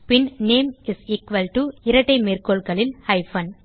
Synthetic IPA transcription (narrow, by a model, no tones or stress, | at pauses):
pɪnneːmɪsiːkʋɐlʈuɪɾɐʈːɐɪmeːrkoːlkɐɭɪlhɐɪfɐn